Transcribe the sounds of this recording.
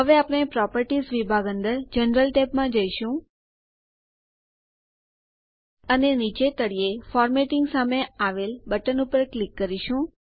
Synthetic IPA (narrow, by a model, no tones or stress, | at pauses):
ɦəʋeapəɽ̃epɾɔpəɾʈisʋibʱaɡə̃nd̪əɾd͡ʒənɾəlʈɛpmãd͡ʒəiʃũ | ənenit͡ʃet̪əɽiefɔɾmeʈiŋɡsameaʋelbəʈənupəɾklikːəɾiʃũ